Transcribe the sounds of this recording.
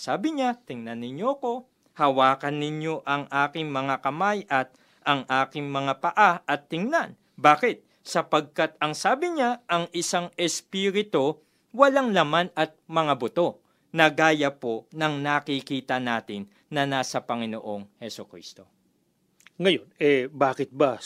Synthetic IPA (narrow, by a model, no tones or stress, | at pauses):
saːbɪɲat̪ɪŋnɐnːɪɲjoɐko̞ | hɐwaːkɐnːɪɲjo̞ʔɐŋʔaːkɪŋmɐŋakɐmajʔɐt̪̚ | ɐŋʔaːkɪŋmɐŋapɐʔaʔɐt̪ːɪŋnan | baːkɪt̪̚ | sɐpɐɡ̚kat̪̚ɐŋsaːbɪɲaʔɐŋɪsaŋɛspiːɾɪt̪o | wɐlaŋlɐmanɐt̪̚mɐŋabʊt̪o̞ | nɐɡaːjɐpo̞nɐŋnakikiːt̪ɐnaːt̪ɪnːɐnaːsɐpɐŋɪno̞̰ʔo̞ŋhɛsokɾḭːst̪o̞ | ŋɐjonɛbaːkɪt̪̚bɐ